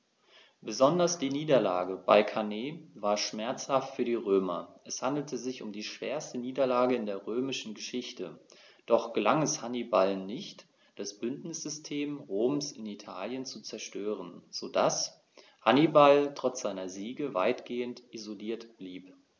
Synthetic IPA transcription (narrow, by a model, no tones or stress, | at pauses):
b̥əzɔndɐsd̥iːniːdɐla̰ːɡəba̰ɪkʰaneːvaːɐʃmɛɐt͡shaftfyːɐdiːʁøːmɐʔɛshandl̩tʰəzɪçʊmdiːʃv̥eːɐstəniːdɐlaːɡəɪndeːɐʁøːmɪʃn̩ɡəʃɪçtəd̥ɔχɡ̥əlaŋɛshanibalnɪçt | d̥asb̥ʏntnɪsz̥ʏstʰeːmʁoːmsɪnitʰa̰ːljənt͡sut͡sɛɐʃtøːʁ̞ənz̥oːda̰s | hanibaltʁ̥ɔt͡sz̥aɪnɐziːɡəva̰ɪtɡ̥eːəntʔizoliːɐtb̥liːp